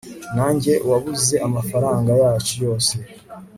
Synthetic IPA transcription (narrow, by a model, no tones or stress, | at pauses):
naːɲɟe̞ʔwaβuze̞ʔamafaɾaːŋɡajaːt͡ʃujo̞ːse̞